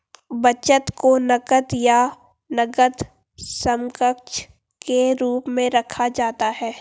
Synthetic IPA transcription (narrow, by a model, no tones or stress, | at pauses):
bɐt͡ʃət̪konɐkət̪ja | nɐɡət̪ | sə̃mkəkt͡ʃ | keɾuːpmẽɾɐkʰad͡ʒaːt̪aɦɛː